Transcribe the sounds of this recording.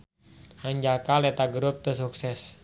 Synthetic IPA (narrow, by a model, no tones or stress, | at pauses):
ʔaɲd͡ʒakalet̪aɡɾʊp̚t̪əs̬uksɛs